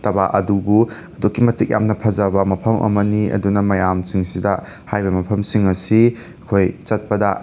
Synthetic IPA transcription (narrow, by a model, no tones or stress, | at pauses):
tɐbaʔɐdubuɐdukːimɐtik̚ja̰mnɐpʰɐzɐbɐmɐpʰɐmʔɐ̰mɐniɐ̰dunɐmɐjamsiŋsidɐ | hajbɐmɐpʰɐmsiŋɐsi | kʰojt͡ʃɐt̚pɐdɐ